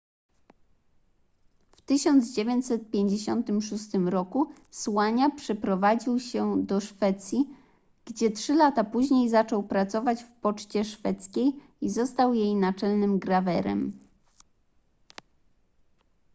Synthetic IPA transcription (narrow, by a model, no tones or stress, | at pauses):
ft̪ɘɕɔnd̪zd͡ʑevʲjeɲt͡ɕʲsɛt̪̚pʲjeɲd͡ʑeɕɔnt̪ɘmʂust̪ɘmɾɔku | swaɲapʂɛpɾɔvad͡ʑiwɕɛd̪ɔʂfɛt̪sʲji | ɡ̥d͡ʑɛtʂɘlat̪apuʑɲejzat͡ʂɔwpɾat̪sɔvat͡ɕfpɔt͡ʂt͡ɕɛʂfɛt̪skʲej | izɔst̪awjejnat͡ʂɛlnɘmɡɾavɛɾɛ̰m